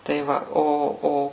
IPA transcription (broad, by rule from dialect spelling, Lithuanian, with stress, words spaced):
tɐɪ ˈʋɐ ˈoː ˈoː